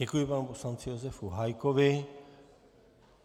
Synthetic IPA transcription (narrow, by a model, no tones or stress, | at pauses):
ɛkujipanuposlant͡sɪjozɛfuɦajkoʋɪ